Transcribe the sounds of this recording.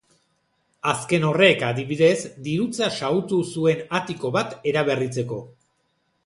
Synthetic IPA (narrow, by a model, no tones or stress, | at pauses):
aske̞no̞re̞kaðiβiðe̞zd̪iɾut͡sasaut̪usue̞nat̪iko̞βat̪e̞ɾaβ̞e̞rit͡se̞ko̞